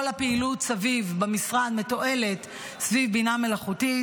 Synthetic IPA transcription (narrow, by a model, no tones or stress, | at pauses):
olapeilutsavivbemisʁad̪me̞to̞ʔe̞le̞t | svivbiname̞laχuti